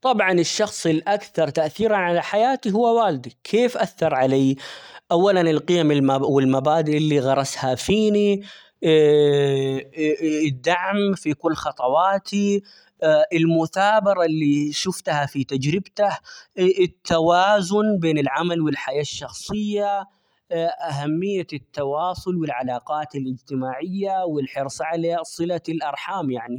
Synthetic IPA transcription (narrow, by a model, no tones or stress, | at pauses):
t̪ˤɑbʕɑnɪʃːɑxsˤɪlʔakθɑɾˤt̪aʔθiːɾanʕalaħajaːt̪iɦʊwːawaːlɪd̪ikʰeːfʔaθːɑɾˤʕalaːʔawːalanɪlqɪjamɪlmawɪlmabaːd̪ɪʔɪlːiɣɑɾˤɑshafiːni | ɪd̪ːaʕmfikʊlːxɑt̪ˤɑwɑːt̪ʰi | ʔɪlmʊθaːbɑɾˤɑlːiʃʊft̪hafit̪ad͡ʒɾɪbt̪ahɪt̪ʰːawaːzʊnbeːnɪlʕamalwɪlħajaːʃːɑxsˤɨjːa | ʔaɦamːɪjːat̪ːɑwɑːsˤʊlwɪlʕalɑːqɑːt̪ɪlʔɪd͡ʒt̪ɪmaːʕɪjːawɪlħɪɾsˤʕaleːsˤɨlalʔɑɾˤħaːmjaʕni